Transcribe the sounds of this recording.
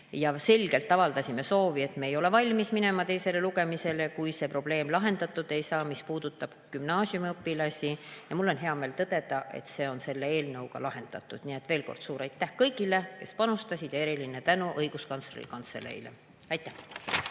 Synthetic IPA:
jɑse̞lʲɡ̥e̞lt̪ːˑɑvɑld̪ɑsʲime̞so̞ːvie̞t̪me̞ːjo̞le̞vɑlʲmismine̞mɑt̪e̞jse̞le̞luɡe̞mise̞le̞kujse̞pro̞b̥le̞ːmlɑɦe̞nd̪̥ɑt̪ːˑud̪̥e̞jsɑːmispuːd̪̥ut̪ːˑɑb̥kymnɑːsʲjumiɤpːilɑsʲijɑmulːo̞nɦe̞ɑme̞ːlt̪ɤd̪̥e̞d̪̥ɑʔe̞̰t̪se̞ːo̞nse̞lːee̞ːlnɤwɡ̥ɑ̰lɑhe̞nd̪̥ɑ̰t̪ːˑud̪̥nie̞t̪ːve̞ːlko̞̰rd̪̥suːɾɑjt̪ːˑæhkɤjɡile̞ke̞̰spɑnust̪ɑsʲid̪̥jɑeɾilinet̪ænuʔɤjɡ̥uskɑnsrḭlkɑnt̪sḛlḛj̰lḛ | ɑjt̪ːˑæh

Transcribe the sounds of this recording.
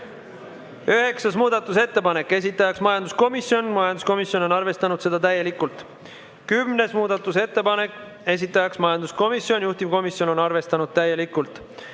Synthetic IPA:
yɦe̞ksɑsmuːd̪̥ɑt̪ːˑus̬et̪ːe̞pɑne̞kːˑe̞s̬ʲit̪ˑːɑjɑksmɑjɑnd̪̥usko̞misjo̞nmɑjɑnd̪usko̞misjo̞no̞nɑrve̞st̪ɑnud̪se̞d̪̥ɑt̪æjːe̞likult̪ˑ | kymne̞smuːd̪̥ɑt̪ːˑuse̞t̪ːe̞pɑne̞kːˑ | e̞s̬it̪ˑːɑjɑksmɑjɑnd̪̥usko̞misjo̞nʲjuht̪ivko̞misjo̞no̞nɑrve̞st̪ɑnud̪̥̚t̪æjːe̞likːˑult̪ˑ

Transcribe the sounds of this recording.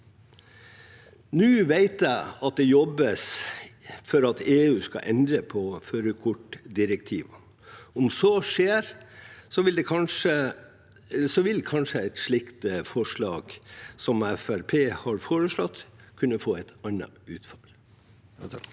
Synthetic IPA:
nʉːʋeɪt̪jæɪɑt̪̚d̪ɛjɔbːəs | fɔɾɑt̪ʰeːʉːskɑ̰ʔɛnd̪ɾəpʰɔføːɾəkʰʊʈd̪ɪɾəkt̪ʰiːʋə | ɔmsoːʂeːɾsɔʋɪld̪ɛkʰɑnʂə | sɔʋɪlkʰɑnʂəɛt̪ʂɭɪkt̪fɔʂɭɑːɡ̥sɔmæfæɾpʰeːhɑɾfoːɾəʂɭɔt̪ːkʰʉnːəfoːɛt̪ɑnːɑ̰ʉːt̪fɑl

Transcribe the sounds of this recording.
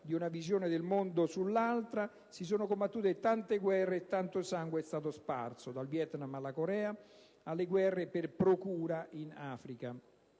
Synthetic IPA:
d̪iunavizjoːnɪd̪elmond̪osulːalt̪ɾa | sis̬oːnokombat̪ːuːt̪et̪ant̪eɡwɛrːeːt̪ːant̪osaŋɡweɛst̪aːt̪ospa̰rsod̪alvjɛt̪namalːakoɾɛːa | alːeɡwɛrːeperpɾokuːɾaʔinaːfɾika

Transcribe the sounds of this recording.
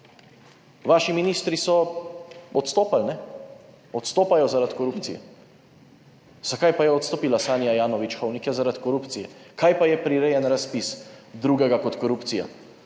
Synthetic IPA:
ʋaːʃiminist̪ɾisɔ | ɔt̪st̪oːpalnɛ | ɔt̪st̪oːpajɔzaɾat̪kɔɾupt̪sijɛ̰ | z̥akajpajɛɔt̪st̪ɔpiːlasaːnijajaːnɔʋit͡ʃxɔwnikɛzaɾat̪kɔɾuːpt̪sijɛkajpajɛpɾiɾejɛnɾaspisd̪ɾuɡɛɡakɔt̪kɔɾupt̪sija̰

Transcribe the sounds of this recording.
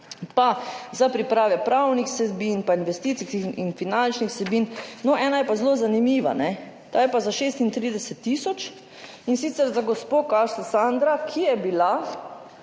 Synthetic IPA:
pazapɾipɾaːʋɛpɾawnixsɛbinpainʋɛst̪iːt̪siḭnfinant͡ʃnixsɛbiːnnɔʔɛːnajɛpazloːzanimiːʋa̰nɛ | t̪aːjɛpazaʃeːst̪int̪ɾiːd̪ɛsɛt̪ːiːsɔt͡ʃ | insiːt̪sɛɾzaɡɔspoːkaʃlasand̪ɾakʰijɛbila

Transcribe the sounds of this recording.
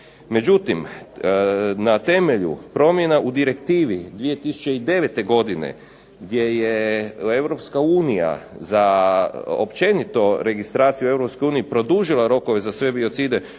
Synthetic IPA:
me̞d͡ʑut̪im | nat̪e̞me̞ʎṵpɾo̞mje̞naʔud̪iɾe̞kt̪iːʋid̪ʋije̞t̪isu̥t͡ʃeid̪e̞ʋe̞t̪e̞ɡo̞d̪ine̞̰ | ɡd̪je̞jee̞ʋɾo̞pskauːnija̰za | o̰pt͡ʃe̞nit̪o̞ɾe̞ɡist̪ɾaːt̪sijue̞vɾopskojuːniipɾo̞d̪uʒilˠaɾo̞ko̞ʋezasʋe̞bio̞t̪sid̪e̞

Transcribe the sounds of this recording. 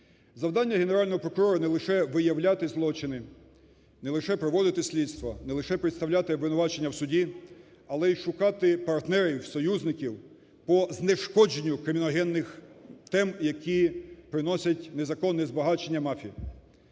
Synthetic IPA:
zɐwd̪ɑnʲːɐɦeneɾɑlʲnɔɦɔpɾɔkʊɾɔɾɐnɛlˠɪʃɛʋɪjɐwlʲat̪ɪzlˠɔt͡ʃɪnɪ | nɛlˠɪʃɛpɾɔʋɔd̪ɪt̪ɪsʲlʲit̪st̪ʋɐnɛlˠɪʃɛpɾɪt̪st̪ɐwlʲat̪ɪʋɪnʊʋɑt͡ʃe̞nʲːɐwsʊdʲi | ɐlˠɛiʃʊkɑt̪ɪpɐrt̪nɛɾʲiwsɔjuzʲnɪkʲiw | pɔzneʃkɔd͡ʒenʲːʊkɾɪmʲinɔɦɛnːɪxt̪ɛmjɐkʰʲipɾɪnɔsʲɐtʲnezɐkɔnːɛzbɐɦɑt͡ʃenʲːɐmɑfʲii

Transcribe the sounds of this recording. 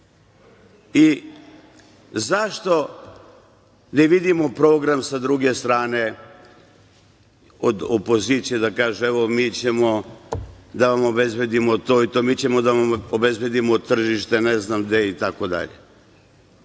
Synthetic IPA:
i | zaʃt̪o̞ | nɛʋid̪imo̞pɾoːɡɾamsad̪ɾuɡe̞st̪ɾaːne̞ | od̪opo̞zit̪sije̞d̪akaːʒueʋomiːt͡ɕemo̞ | d̪aʋamo̞be̞zbe̞d̪imot̪oit̪omiːt͡ɕemod̪aʋaobezbed̪imot̪ːr̩ʒiʃt̪e̞neznamd̪eit̪akod̪a̰ʎḛ

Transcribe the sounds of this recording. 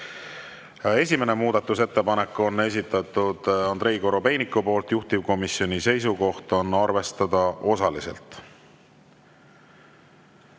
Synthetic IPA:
e̞s̬ʲime̞nemuːd̪ɑt̪ːˑuse̞t̪ːe̞pɑnekːo̞nːe̞s̬ʲit̪ːˑɑt̪ud̪̥ond̪ɾe̞iko̞ɾope̞jnikːupo̞ːlt̪juht̪ivko̞misio̞nise̞jsuko̞ht̪o̞nːɑrve̞st̪ɑd̪̥ɑʔo̞sɑlise̞̰lt̪ˑ

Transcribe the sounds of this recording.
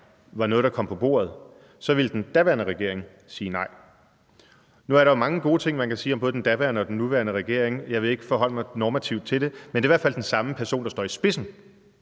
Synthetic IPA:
ʋɑ̈nɔ̽ːð̞̩̥ˠɑ̈kʰɒ̽m̰pʰɒ̽b̥o̝̰ːɐð̞ˠ | sɒ̽ʋe̝ld̥end̥æʋæɐnəʁɛɡ̥e̝ɐ̰e̝ŋ | siːnɑ̈ɪ̰ | nuæɐɾɑ̈omɑ̈ŋəɡ̥o̝ːt͡sʰe̝ŋ̰mænkʰæsiːɒmbɔ̽ːð̞̩̥ˠend̥æb̥æɐnəɒ̽d̥enːuʋæɐnəʁɛɡ̥e̝ɐ̰eŋjɑ̈ɪʋe̝e̝ɡ̥əfɒ̽ɦɒ̽l̰əmɑ̈ɪnɒːmæt͡sʰiʊ̰d̥̚t͡sʰe̝d̥e̝mende̝iʋæɐfæl̰d̥ensɑ̈məpʰæɐso̝̰ːnd̥ɑsd̥ɒ̰ːisb̥e̝sn̩

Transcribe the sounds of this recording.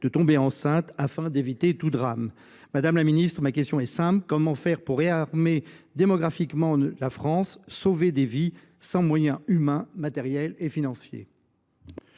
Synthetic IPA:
d̪̥ət̪ɔ̃beɑ̃sɛ̃t̪afɛ̃d̪evit̪et̪ud̪ʁam | mad̪amlaminist̪χəmakʲɛst̪jɔ̃ɛsɛ̃plkɔmɑ̃fɛʁpuʁːeaʁmed̪emɔɡʁafikmɑ̃lafχɑ̃sːoved̪evi | sɑ̃mwajɛ̃ymɛ̃mat̪ɛʁjɛlefinɑ̃sjḛ

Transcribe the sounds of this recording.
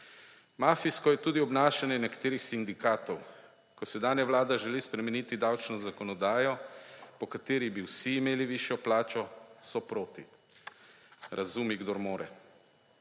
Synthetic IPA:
maːfiskɔjɛt̪uːd̪iɔbnaːʃanjɛnɛkḁt̪eːɾixsind̪ikaːt̪ɔw | kɔsɛd̪aːnjɛʋlaːd̪aʒɛlispɾɛmɛnit̪id̪awt͡ʃnɔzakɔnɔd̪aːjɔpɔkat̪eːɾibiwsiːmeːliʋiʃjɔplaːt͡ʃɔsɔpɾoːt̪i | ɾʔazumiɡd̪oɾmoːɾɛ

